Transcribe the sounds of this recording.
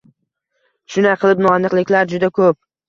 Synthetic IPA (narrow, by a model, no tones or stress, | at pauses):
ʃʊnaqʰɨlˠɪp̚noanːɨqlˠɪkʲlaɾd͡ʒʊd̪akʰɵp̚